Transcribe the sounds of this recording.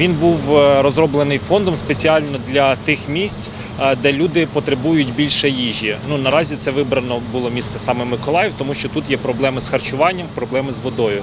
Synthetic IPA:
ʋʲinbuwɾɔzɾɔblˠenɪjfɔnd̪ɔmspet͡sʲiɑlʲnɔd̪lʲɐt̪ɪxmʲisʲt͡sʲ | d̪ɛlʲud̪ɪpɔt̪ɾebujʊtʲbʲilʲʃɛjiʒʲinunɐɾɑzʲit̪sɛʋɪbɾɐnɔbʊlˠɔmʲist̪ɛsɑmɛmɪkɔlˠɑjɛwt̪ɔmuʃt͡ʃɔt̪ut̪jɛpɾɔblˠɛmɪsxɐrt͡ʃʊʋɑnʲːɐmpɾɔblˠɛmɪzʋɔd̪ɔjʊ

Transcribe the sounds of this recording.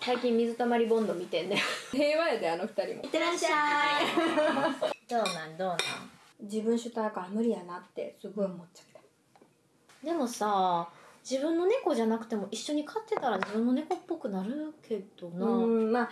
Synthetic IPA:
saikʲĩmːʲizɨt̪amaɾʲibõ̞nd̪omʲit̪ẽ̞nd̪ajohe̞ːβaed̪eanoɸɯ̟̥t̪aɾʲḭmoit̪ːemaa | d̪o̞ːnãnd̪o̞ːnã̰ŋ | d͡ʑibɯ̟̃ɰ̃ɕɨt̪ajkaːmɯ̟ɾʲijanat̪ːe̞̰sɨɡo̞iomotːt͡ɕḁt̪ːḁ | d̪e̞mo̞sa | d͡ʑibɯ̟̃nːo̞ne̞ko̞ʑanakɯ̟̥t̪e̞mo̞ʔiɕːo̞ɲ̟ikʰat̪ːe̞t̪aɾaʑibɯ̟̃nːo̞ne̞ko̞pːo̞kɯ̟naɾɯ̟kʰe̞d̪̥o̞nama

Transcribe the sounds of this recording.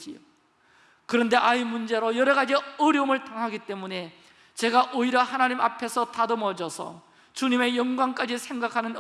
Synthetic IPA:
io | kɯɾʌnde̞ʔaimund͡ʑe̞ɾojʌɾʌɣad͡ʑiʌɾjʌumɯɭtaŋɦaɡit͈e̞mune̞ | t͡ɕe̞ɡaʔoiɾʌhanaɲimapʰe̞sʰʌtadʌmʌd͡ʑʌsʰʌ̰ | t͡ɕuɲime̞jʌŋɡwaŋk͈ad͡ʑisʰe̞ŋɡakʰanɯn

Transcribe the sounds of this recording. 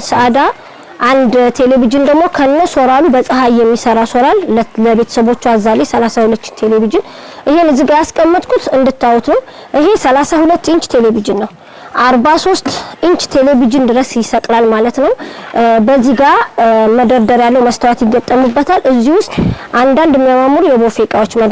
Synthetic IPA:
səʔad̪a | ʔand̪t̪ʰe̞le̞vid͡ʒɨnd̪əɡmo̞kʰəɨnːəso̞ɾalubəsʼəɦajːɛmːisəɾaso̞ɾalləbe̞t̪ʰə̥səβo̞t͡ʃːazːale̞səlasahulət̪ːt̪ʰe̞le̞βid͡ʒɨn | ʔɨhe̞nɨzɨɡajaskʼəmːɨt̪ʼkʰut̪ɨnd̪ɨt̪ʰːawut̪nəw | ʔɨɦe̞səlasahulət̪ːɨɲt͡ʃʼt̪ʰe̞le̞vid͡ʒɨnːəw | ʔaɾbaso̞st̪ʼʔɨɲt͡ʃʼt̪ʰe̞le̞vid͡ʒɨnd̪ɨɾəsjɪsəkʼlalmalət̪nəwbəzːiɡaməd̪əɾd̪əɾjalːəwməst̪ʰəwat̪jɪɡːət̪ʼːəmɨbːət̪ʰalʔɨzːihwʊst̪ʼʔand̪and̪ɛmːijamamuɾujɛbofekʼawot͡ʃːməd̪

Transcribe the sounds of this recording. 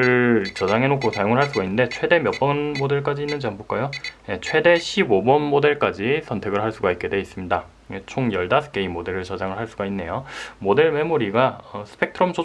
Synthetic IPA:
ɯɭt͡ɕʌd͡ʑaŋɦe̞nokʰosʰajoŋɯɭhaɭs͈uɡainːɯnde̞t͡ɕʰwe̞de̞mjʌp̚p͈ʌnmode̞ɭk͈ad͡ʑiːnːɯnd͡ʑiambuk͈ajoje̞t͡ɕʰwe̞de̞ɕʰibobʌnmode̞ɭk͈ad͡ʑisʰʌntʰe̞ɡɯɭɦaɭs͈uɡait̚k͈e̞dwe̞is͈ɯmɲida | jet͡ɕʰoŋjʌɭdasʰɯ̥k͈e̞imode̞ɾɯɭt͡ɕʌd͡ʑaŋɯɭɦaɭs͈uɡainːe̞̰jomode̞ɭme̞muɾiɡaʌsʰɯ̥pʰek̚tʰɯɾʌmt͡ɕʰo

